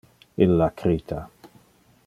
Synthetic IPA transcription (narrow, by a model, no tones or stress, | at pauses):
ɪlːakʰɾiːt̪ʰa